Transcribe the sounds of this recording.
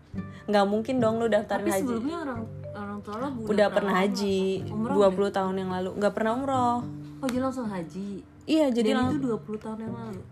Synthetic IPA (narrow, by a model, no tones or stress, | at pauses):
ŋɡamuŋkɪndɔŋlʊdaft̪aɾanhad͡ʒiɲaoɾaŋ | oɾaŋt̪oɾabuudapərnaɦad͡ʒiduapuluht̪aɦʊnjaŋlaluŋɡaʔpərnahumɾɔh | ɔd͡ʒilaŋsʊŋɦad͡ʒi | ijad͡ʒadilŋt̪uduapulut̪aʊnjaŋlalu